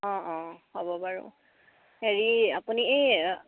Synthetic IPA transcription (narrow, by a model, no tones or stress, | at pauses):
ɔ̃ɔ̃hobɔbaɹṵ̃ | heɹiapuniej